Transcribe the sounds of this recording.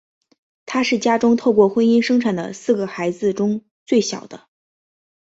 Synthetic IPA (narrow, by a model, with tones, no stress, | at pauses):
t̪ʰa˥ʂɻ̩˥˩t͡ɕja˥ʈ͡ʂʊ˥ŋt̪ʰo˥˧ʊkwɔ˥˩xwə˥ni˥nʂɤ˥ŋʈ͡ʂʰa˨˩nd̪ə̰˦sɹ̩˥˩ɡə˩xa˧˥ɪd͡zɹ̩˧ʈ͡ʂʊ˥ŋ | t͡swe˥˩ɪɕjɑ̰˨˩ʊd̪ə˦